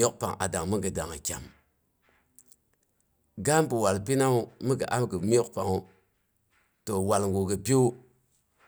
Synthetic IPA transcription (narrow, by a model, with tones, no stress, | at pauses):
o˦k̚pa˨ŋa̰˨da˨ŋmə˦ɡə˨da˨ŋa˨kʲa̰˨m | ɡa˦mpu˨wa˨lpi˦na˦u˦mi˦ɡə̰˨ʔa˦mɡə˨m˦o˦kpa˨ŋo˨ | to˨wa˨lŋɡu˨ɡə˨pi˦u˦